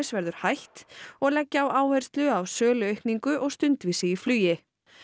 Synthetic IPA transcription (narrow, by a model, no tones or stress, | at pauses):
svɛɾðʏɾ̥hajht̪ɔɣlɛcːawaːwhœjr̥st̪lʏawsœːlʏœjhkniŋkʏʔɔɣst̪ʏnt̪viːsɪiflyːjɪ